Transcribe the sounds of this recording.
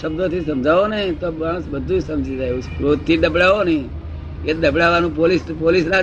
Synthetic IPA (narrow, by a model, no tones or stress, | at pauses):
ʃəb̚d̪ʱot̪ʰisəmd͡ʒʱaʋonet̪omaɽ̃əsbəd̪ʱːud͡ʒsəmd͡ʒid͡ʒaeũskɾot̪ʰːid̪əbɽaʋoni | ked̪əbɽaʋanũpolispolisna